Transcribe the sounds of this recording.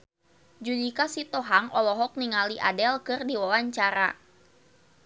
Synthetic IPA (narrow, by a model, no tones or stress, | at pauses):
d͡ʒudikasit̪ɔɦaŋɔlɔɦɔk̚niŋaliʔadɛlkɨrdiwawaɲt͡ʃaɾa̰